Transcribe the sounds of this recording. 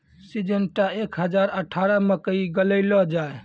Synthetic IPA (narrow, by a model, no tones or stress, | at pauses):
sid͡ʒənʈaekɦəd͡ʒaɾəʈʰaɾəməkəiɡələɪlɔd͡ʒae